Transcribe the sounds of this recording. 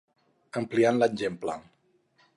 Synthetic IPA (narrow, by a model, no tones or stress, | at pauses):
əmplianlanʲd͡ʒempla̰ŋ